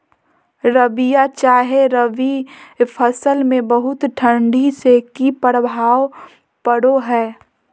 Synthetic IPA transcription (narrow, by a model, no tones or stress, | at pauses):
ɾəʋijat͡ʃaːɦeɾəʋipʰəsəlmẽbəɦʊt̪ʈʰə̃ɳɖʱisekipəɽbʱaːʋ | pəɽoɦɛː